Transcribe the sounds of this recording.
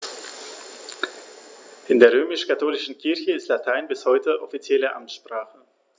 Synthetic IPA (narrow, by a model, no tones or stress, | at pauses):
ʔɪndeːɐʁ̞øːmɪʃkatʰoːlɪʃn̩kʰɪɐçəɪstlatʰaɪnbɪshɔʏtəʔɔfit͡sjɛləʔa̰mtʃpʁ̥aːχə